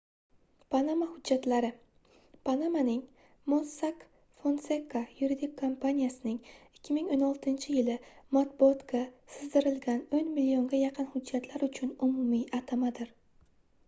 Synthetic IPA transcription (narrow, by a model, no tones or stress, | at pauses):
pʰanamahʊd͡ʒːat̪laɾɪ | pʰanamanɪŋ | monsak | fonsekːajuɾid̪ɪkʲʰːompʰanʲijasɪnɪŋɪkʲʰːɪmɪŋonɒlˠt̪ʰɪnt͡ʃʰɪjɪlɪmat̪̚bʊɒt̪kʲasɪzd̪ɪɾɪlɡʲanɵnmɪlijo̞ŋɡʲajɑqʰɨnhʊd͡ʒːat̪ʰlaɾʊt͡ʃʰʊnʊmʊmiʔat̪ʰamad̪ɪɾ